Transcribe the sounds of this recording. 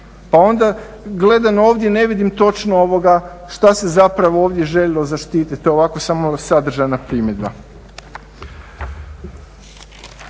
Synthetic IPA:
pao̞nd̪a | ɡle̞d̪ano̞ːʋd̪jene̞ʋid̪imt̪o̞t͡ʃnoo̞ʋo̞ɡaʃt̪ase̞zapɾaʋooːʋd̪je̞ʒeʎelo̞zaʃt̪iːt̪it̪ːoeoʋako̞samo̞sad̪r̩ʒajnapɾiːmje̞d̪ba

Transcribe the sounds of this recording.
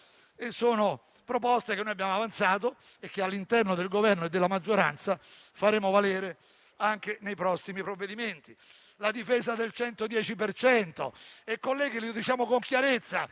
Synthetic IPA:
esoːno | pɾopɔst̪ekenojabjaːmoavant̪saːt̪̬o | ekːealːint̪ɛrnod̪elɡovɛrnoed̪ːelːamad͡ʒːoɾa̰nt̪sa | faɾeːmovaleːɾe | aŋk̟enejpɾɔsːimipɾovːed̪iment̪i | lad̪ifɛːzad̪elt͡ʃɛnt̪od̪jɛːt͡ʃipert͡ʃɛnt̪o̰ɛkːolɛjɡ̟elɪod̪it͡ʃaːmokoŋkjaɾet̪sːa̰

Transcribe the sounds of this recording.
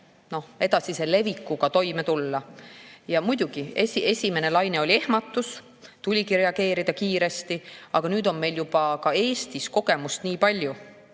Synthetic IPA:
no̞he̞d̪̥ɑsise̞le̞vikːˑuɡ̥ɑt̪o̞jmet̪ulːɑjɑmujd̪̥uɡ̥iesie̞sʲime̞ne̞lɑjne̞o̞lʲie̞hmɑt̪ːˑus | t̪ulʲiɡiɾe̞ɑɡ̥e̞ːɾid̪̥ɑkiːɾe̞st̪iɑɡ̥ɑnyːd̪o̞nme̞jljub̥ɑkɑe̞ːst̪isko̞ɡ̥e̞must̪niːpɑlʲju

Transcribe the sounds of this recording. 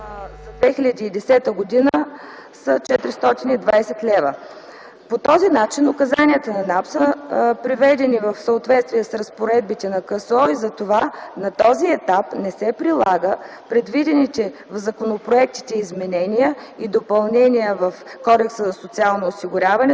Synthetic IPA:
zɐd̪vɛxilʲəd̪iːd̪ɛsɛt̪əɡod̪inəsət͡ʃɛt̪ɾist̪ɔt̪inid̪vajsɛt̪lɛvə | pot̪ɔzinat͡ʃinʊkɐzaniət̪ənɐnapsəpɾivɛd̪ɛnivəfsəot̪vɛt̪st̪vijɛsɾɐspoɾɛd̪̚bit̪ɛnɐkəsɔizɐt̪ovanɐt̪ɔziɛt̪apnɛsɛpɾilˠaɡə | pɾɛd̪vid̪ɛnit̪ɛvzɐkonopɾoɛk̚t̪i̥t̪ɛizmɛnɛnijəid̪opɐlˠnɛnijəvɐfkɔd̪ɛksəzɐsot̪sialˠnoːsiɡʊɾʲavɐnɛ

